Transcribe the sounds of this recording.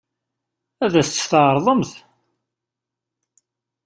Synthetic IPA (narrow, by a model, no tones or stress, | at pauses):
æðæst͡s̪ːθəɾˤðˤəmθ